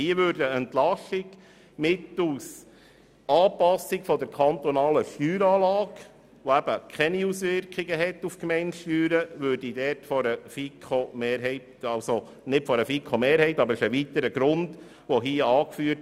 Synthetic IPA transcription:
hiːəʋøɾdəɛntlɑʃɪɡ | mɪtus | ɑːpɑsːɪɡfɔdəɾkʰɑnt̪ɔnɑːləʃtyːɾɑːlɑːɡ | ʋoæb̥əkʰχɛniusʋɪɾkχiɡəɦɛtːufkmɛɪntʃtyːɾəʋøːɾdidɛːɾtfɔɾəfikχomeːɾɦɛɪtɑlso | nɪtfɔɾəfikʰomeːɾhɛɪtɑbəɾɪʃəʋit̪əɾəɡɾʊnd | ʋɔɦiːɑːkfyːəɾt

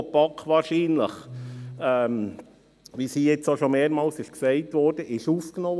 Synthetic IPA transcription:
pɑkʰːʋɑːɾʃiːnlə̰χ | ɛm | ʋiːsiːjɛt͡soʃomeːɾmɑːlsɪʃksɛɪtvɔɾd̥əʔɪʃuːfknɔ

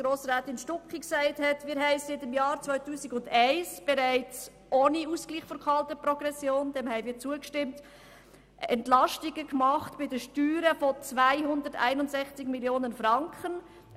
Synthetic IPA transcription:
ɡ̥ɾoːsʁaːtɪnʃtʊkχiksaɪthɛtmɪːɾɦɛɪsɪtɪmjɑːɾt͡svœʏtuːsiɡʊndaɪsb̥ɛɾaɪt͡s | ʔoːniuskliːχfɔɾkʰɑltəpɾɔɡ̥ɾɛsjoːnd̥ɛmhɛɪmiːɾt͡suːəkʃtɪmt | ɛntlɑʃtiɡəkmɑχtb̥ɪdəʃtyːɾəfot͡svaɪɦʊndətæ̰ɪnʊntsɛxt͡sɪɡmiljoːnənfrɑŋkχən

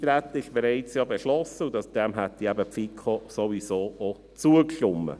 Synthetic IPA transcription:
t̪ɾæt̪ːəɪʃb̥ɛɾɛɪt͡sjɑːbɛʃlɔsəʊnd̪ɑd̥̪ɛmɦæt̚diæbəpfikʰosoʋisoːʔo | t͡suəkʃʊmːə̰

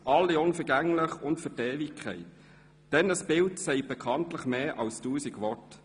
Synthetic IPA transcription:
ʔɑlːiʊnfəɾɡæŋlɪχʊntfətɛːvikʰχɛ̰ɪt | d̥ɛnəsb̥ɪltsɛɪb̥ɛkʰɑntləχmeːʔɑlstuːsikʋɔɹt

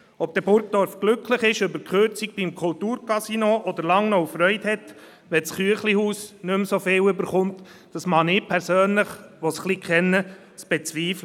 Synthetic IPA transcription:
ɔp̚d̥̪ɛbʊɾk̚d̥̪ɔɾfɡ̥lʏkʰləχɪʃøbəɾkχøɾt͡sikb̥imkʰʊlt̪uːɾkɑsinoʔɔd̪əɾlɑŋnɔufɾœʏthɛt̪ | ʋɛt͡sχyəχlihuːsnʏmsofɪːwʏbəɾχʊnt | d̥ɑsmɑnɪːpʰɛɾsøːnləχʋɔsχlikχɛnːə | sb̥ɛt͡sʋiːflə

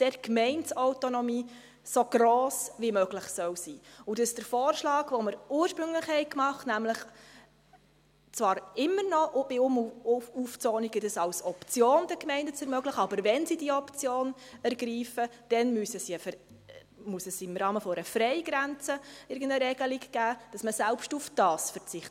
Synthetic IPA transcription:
d̥ɛɾkmɛɪntsɔwtonɔmiː | soɡ̥ɾoːsʋimøɡlɪχsœwsiːʊdɑssd̥əɾfɔːrʃlɑːɡ̥ʋoməɾuːəɾʃpɾɵŋləχhɛɪkmɑχtnæmləχ | t͡sʋɑːɾɪmːənɔʔʊb̥ɪumuft͡sɔːniɡədəsɑwsɔpt͡sjoːnd̥ɛkmɛɪndət͡sɛɾmœɡlɪχɑbəɾvɛnsidiɔpt͡sjoːnæɾɡɾiːfəd̥ɛnmysəsiəf | musəsɪmɾɑːməfɔɾəfɾɛɪɡ̥ɾænt͡səɪɾɡən̩dəɾɛɡəlikɡ̥æːd̥ɑsməsælpʃtufd̥ɑːsfəɾt͡sɪχtə

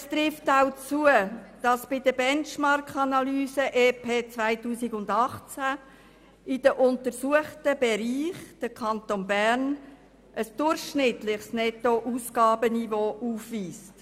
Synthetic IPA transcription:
st̪ɾɪftaʊt͡suəd̥ɑsb̥ɪdəbɛnt͡ʃmɑɾkɑnɑlyːsəʔeːpʰeːt͡svaɪtuːsɪɡʊndɑχt͡sæ | ɪd̥əʔʊntəɾsuəχtəbɛɾiːχd̥əkʰɑntonbæɾn | ʔəsd̥ʊɾχʃnɪtlɪχsnɛtoʔuːsɡ̥ɑːbənivoːʔuːfʋiːst

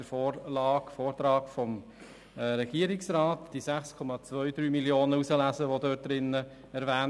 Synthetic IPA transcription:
əɾfoːrlɑːkfoːrt̪ɾɑːɡfɔm | ɾɛɡ̥iːəɾɪksɾɑːtd̥isæχskʰɔmɑt͡sʋœʏd̪ɾyːmiljoːnəusəlæzəʋodœːt̚d̥̪ɾɪnə | ɛɾʋæːn

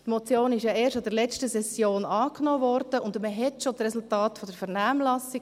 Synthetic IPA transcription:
tmot͡sjoːnɪʃjɑeːɾʃɑd̥əɾlɛt͡stəsɛsjoːnɑːknoːvɔɾd̥əʊndməɦɛtʃotɾɛsʊltɑːtfɔdəɾfɛɾnaːmlɑsi

